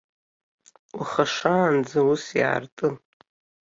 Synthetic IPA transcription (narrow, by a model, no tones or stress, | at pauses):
uχaʂaːnd͡zausja̰ːrtʼɨn